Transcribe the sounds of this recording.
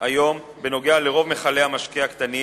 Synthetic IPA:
ajo̞m | beno̞ɡe̞ale̞ʁo̞vme̞χale̞hamaʃkiakt̪ani

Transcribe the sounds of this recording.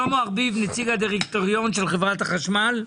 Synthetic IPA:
omoaʁbivnet͡siɡhad̪iʁekt̪oʁijo̞nʃelχevʁat̪aχaʃmal

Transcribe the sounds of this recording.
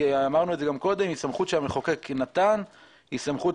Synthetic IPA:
amaʁnuezeɡamko̞d̪e̞misamχut̪ʃelameχo̞keknat̪an | hisamχu

